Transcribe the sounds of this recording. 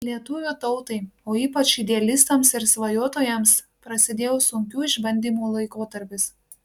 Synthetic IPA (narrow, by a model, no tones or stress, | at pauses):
lʲiɛt̪ʊʋʲut̪ɒʊt̪ɐɪoːiːpɐt͡ʃɪd̪ʲɛɐlʲɪst̪ɐmsɪɾsʋɐjuːɔt̪oːjɛms | pɾɐsʲɪd̪ʲeːjoːsʊŋʲkʲuːɪʒbɐnʲd̪ʲiːmuːlˠɐɪkoːt̪ɐɾʲpʲɪs